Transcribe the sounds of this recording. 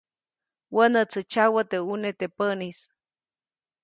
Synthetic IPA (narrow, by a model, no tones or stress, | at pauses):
wənət͡sət͡ʃawət̪eunet̪epənis